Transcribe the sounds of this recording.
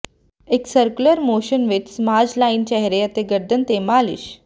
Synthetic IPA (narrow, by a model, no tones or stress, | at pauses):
eksəɾkuləɾmoɕənʋetsmad͡ʑlaint͡ɕɛɦɾejət̪eɡəɾd̪ənt̪emalḭɕ